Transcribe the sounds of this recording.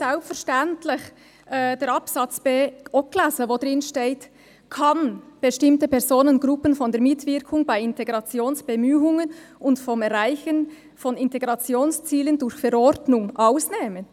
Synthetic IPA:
sɛlpfɛɐʁʃtɛntʰlɪç | ʔd̥eːɾɑpsɑt͡sb̥eːʔɔklasəvoːdʁɪnʃteːt | kʰɑnb̥əʃtɪmtəpɛʁzoːnənɡɾʊpənfɔndeːɐɾmɪtv̥ɪɾkʰʊŋbaɪɪnteɡɾɑt͡sjoːnsb̥emyːʊŋənʊntfɔmɛʁʁaɪçən | fɔnɪnteɡɾɑt͡sjoːnst͡siːləndʊɾçfɛɾɔɾdnʊŋʔaʊsneːmən

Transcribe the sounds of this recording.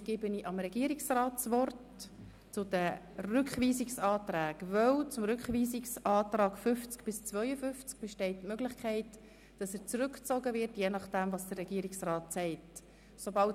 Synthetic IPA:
ɡ̥ɪbəniːʔɑmɾɛɡ̥iəɾiksrɑːtsʋɔrt | t͡sʊd̥ə | rʏkχʋiːsɪksɑːt̪ɾæːɡvœwt͡sʊmɾʏkχʋiːzɪksɑːt̪ɾɑːkfʏft͡skb̥ɪst͡svœʏəfʏft͡sk̚b̥ɛʃtɛɪtːmøɡlɪχkʰɛɪt | d̥ɑsəɾt͡sɾʏkt͡sɔɡəvɪɾtjenɑχd̥ɛmvɑːsd̥ərːɛɡ̥iːəɾɪksrɑːtsɛɪt | sobɑl

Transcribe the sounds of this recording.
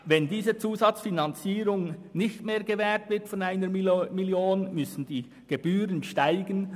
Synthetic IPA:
vɛndiːzət͡suːzɑt͡sfinɑnt͡siːɾʊŋnɪçtmeːɾɡevɛːɾtvɪɾtfɔnaɪnəmiljoːnmʏsn̩d̥iː | ɡ̥eb̥yːɾənʃtaɪɡən

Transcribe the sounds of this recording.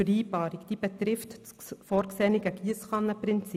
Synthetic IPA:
əɾiːbɑːɾikd̥iːb̥ɛt̪ɾɪftt͡s | fɔːɾksɛniɡəɡiəsχɑnːəpɾɪnt͡si

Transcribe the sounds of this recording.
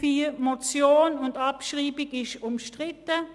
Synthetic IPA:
fiːmot͡sjoːnʊndɑpʃʁiːbɪɡɪʃʊmʃtʁɪtə

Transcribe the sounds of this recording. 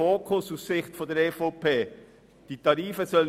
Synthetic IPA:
oːkʰʊsussɪχtfɔndɛɾeːfoʊpʰeː | d̥iːtʰɑɾiːfəzœlə

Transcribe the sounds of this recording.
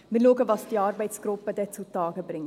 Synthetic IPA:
milokəvɐsdiɐrbəjtskropːədətsutɑːkəbrəŋ

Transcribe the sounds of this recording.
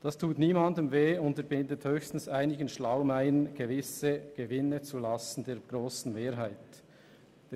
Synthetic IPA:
d̥ɑstʰuːtniːmɑndəmveːʊntəbɪndəthøːçstn̩saɪnɪɡənʃlaʊmæɪənɡ̥evɪsəɡ̥evɪnət͡sulɑsn̩d̥eːɾɡ̥ɾoːsn̩meːɾɦaɪt | d̥

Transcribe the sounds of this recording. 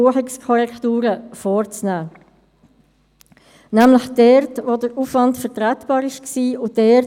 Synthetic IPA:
uəχɪkskʰɔʁɛktuːɾəfɔːɾt͡snæː | næmləχd̥ɛɾtʋodəɾufvɑntfəɾtʁɛtb̥ɑːɾɪʃksiːʊd̥ɛ

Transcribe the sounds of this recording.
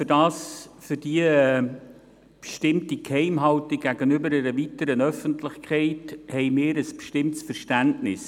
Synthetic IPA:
fʏɾd̥ɑːsfʏɾdiə | pʃtɪmtikhɛɪmɦɑltiɡ̥æɡənʏbəɾɛɾəvitəɾənœfəntlɪχkʰχɛɪthɛɪmɪːɾəspʃtɪmtsfəɾʃtæntnɪs

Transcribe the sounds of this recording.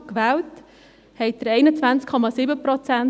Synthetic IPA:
kʋæːwt | hɛɪt̚d̥̪əɾɛɪnət͡svant͡skʰːɔmɑsiːbəpɾɔt͡sæn

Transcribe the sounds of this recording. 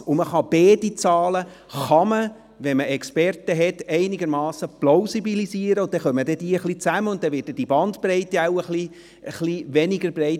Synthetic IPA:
ʊməχɑb̥eːdit͡sɑːlə | χɑmə | ʋɛnməʔɛkspɛrtəɦɛtɛɪnɪɡəɾmɑːsəplaʊsibiliziːəɾəʊt̚d̥ɛχœmədɛd̥iːəχlit͡sæməʊnt̚dɛʋɪːt̚dɛd̥ibɑnt̪bɾɛɪtɛawəχli | əχliʋɛnɪɡəɾbrɛɪt

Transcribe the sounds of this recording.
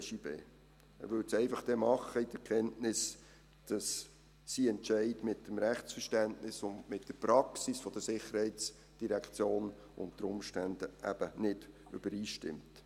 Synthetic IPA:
ʃibḛː | ɛ̰ɾʋʏltsɛɪfɑχd̥ɛmɑχəid̥əɾkʰɛntnɪs | d̥ɑsː | iːɛntt͡ʃɛɪdmɪtːəmɾæχt͡sfəɾʃtæntnɪsʊndmɪtd̥əpɾɑksisfɔd̥əsɪχːəɾhɛɪt͡s | d̥iɾækʰt͡sjoːn | ʔʊ̰nt̚d̥əɾʊmʃtænd̥əʔæ̰b̥ənɪd̥ | ʔʏb̥əɾiːʃtɪ̰mt

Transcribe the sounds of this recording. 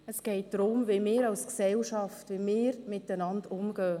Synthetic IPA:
əsɡ̥ɛɪt̚d̥ɾʊmvimɪːɾɑlsksɛlʃɑftʋimɪːɾmɪtənɑndʊmɡ̥œː

